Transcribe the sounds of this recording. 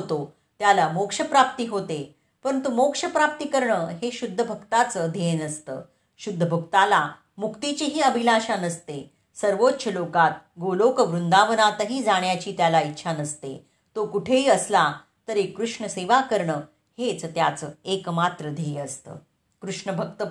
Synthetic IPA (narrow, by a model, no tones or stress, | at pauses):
ɦt̪o | t̪jalamokʂəpɾap̚t̪iːɦot̪e | pəɾənt̪umokʂəpɾap̚t̪iːkəɾɳəːɦeɕud̪ʱːəbʱəkt̪at͡səːd̪ʱenəst̪ə̰ː | ɕud̪ʱːəbʱək̚t̪ala | mukt̪it͡ɕeɦiːəbʱilaɕanəst̪e | səɾʋot̪ːɕəlokat̪̚ɡolokəʋɾund̪aʋənat̪əɦiːd͡zaɽ̃jat͡ɕiːt̪jalaitːɕʰanəst̪ḛ | t̪okuʈʰeiːəsla | t̪əɾekɾuʂɳəseʋakəɾɳə | het͡st̪jat͡səːekmat̪ɾəd̪ʱeəst̪ə̰ː | kɾuʂɳəbʱək̚t̪ə